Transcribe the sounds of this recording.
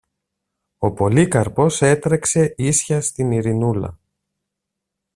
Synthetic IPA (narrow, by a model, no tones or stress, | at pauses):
o̞po̞likɐɾpo̞se̞t̪ɾekse̞isçɐst̪iniɾinulɐ̰